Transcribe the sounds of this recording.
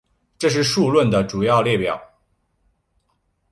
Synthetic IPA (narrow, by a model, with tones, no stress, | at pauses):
ʈ͡ʂɤ˥˧ʂ̬ɻ̩˥˧ʂu˥˧lwə˥˩nd̪ə˩ʈ͡ʂu˨˩jɑ˥˧ʊljɛ˥˩pjɑ˨˩˦ʊ